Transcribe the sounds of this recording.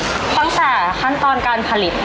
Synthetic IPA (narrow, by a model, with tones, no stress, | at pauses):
t̪a˧˩ŋt̪ɛː˨˩kʰa˦˥nt̪ɔː˧nkaː˧npʰa˧li˨˩t̪̚